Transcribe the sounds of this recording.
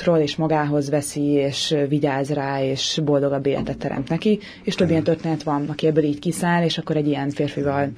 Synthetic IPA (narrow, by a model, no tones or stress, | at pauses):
t̪roːleːʃmɒɡaːɦo̞zvɛsieːʃviɟaːzraːeːʃbo̞ld̪o̞ɡɒbːeːlɛ̰t̪ɛt̪ːɛɾɛ̰mt̪nɛki | eːʃt̪øbːijɛnt̪ørt̪eːnɛt̪ʋɒnɒkiɛbːøːliːckisaːleːʃɒkːo̞ɾɛɟːijɛnfeːrfivɒl